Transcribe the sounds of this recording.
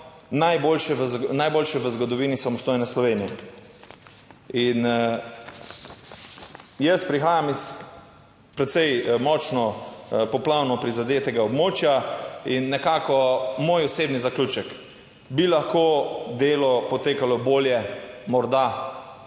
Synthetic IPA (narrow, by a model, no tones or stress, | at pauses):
najbolʃɛənajboːlʃɛʋəzɡɔd̪ɔʋiːnisamɔst̪oːjnɛslɔʋeːnijɛ̰ | in | jəst̪pɾixaːjamis | pɾɛt̪sɛjmɔt͡ʃnɔpɔplawnɔpɾizad̪eːt̪ɛɡaɔbmoːt͡ʃjainːɛkaːkɔmoːjɔseːbnizakluːt͡ʃɛk | bilaxkod̪eːlɔpɔt̪eːkalɔboːljɛmɔɾd̪a